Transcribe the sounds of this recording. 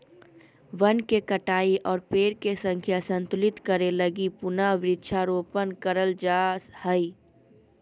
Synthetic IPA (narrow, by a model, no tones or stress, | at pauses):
ʋənkekəʈaːiʔɔːɾpeːɾkesə̃ŋkʰjasə̃nt̪ʊlɪt̪kəɾeləɡipʊnaʋɾɪt̪ːʃʰaɾoːpənkəɾəld͡ʒahəi